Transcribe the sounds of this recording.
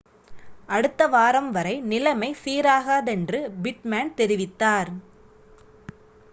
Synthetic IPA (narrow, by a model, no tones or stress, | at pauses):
ʔɐɽɯt̪ːɐʋaːɾɐmʋɐɾɐɪnɪlɐmɐɪsiːɾaːɣaːðɛndrɯbɪʈmaːnt̪ɛɾɪʋɪt̪ːaːɾ